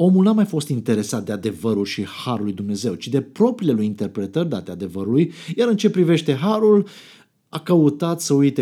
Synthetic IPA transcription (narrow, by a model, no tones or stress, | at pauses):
o̞mulnamajfo̞st̪int̪e̞ɾe̞sat̪̚d̪e̞ad̪e̞vəɾulʃihaɾulːujd̪umne̞ze̞wt͡ʃid̪e̞pɾo̞pɾilelujint̪e̞rpɾe̞t̪ərd̪a̰t̪ead̪e̞vəɾulujjaɾɨnt͡ʃe̞pɾive̞ʃt̪e̞ɦaɾul | akəut̪at̪səujt̪e